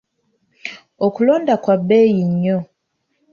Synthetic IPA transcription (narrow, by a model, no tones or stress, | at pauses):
okuloːndakwabejiɲːo